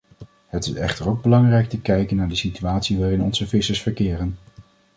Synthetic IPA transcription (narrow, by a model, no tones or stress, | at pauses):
ɦətɪsɛ̰χtəɹowɡ̚bəlɑŋrɛjk̚təkɛjkənːaːɹdəsityaːtsiʋaːrɪnɔnzəvɪsəɹsfəɹkɪːrən